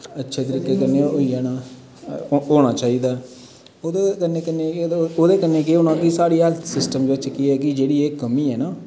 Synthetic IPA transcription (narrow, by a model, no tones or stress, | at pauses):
ətːʃʰeːt̪ɪɾɪkːeːkənːẽːoːiaːnaː | oːɽ̃aːt͡ʃaːiːd̪aː | oːd̪eːkənːeːkənːeːoːd̪eːkənːeːk̬ɪonãːkisaːɽiːɦɛlsɪsʈəmd͡ʒoət͡ʃkɪɛːkɪd͡ʒeːɽiːeːkəmiːɛːnaː